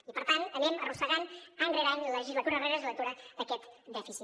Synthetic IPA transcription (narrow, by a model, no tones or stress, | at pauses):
ipəɾt̪anənɛmərusəɣanənreɾaɲləʒizlət̪uɾəreɾəzilət̪uɾəðəkɛt̪d̪ɛfisi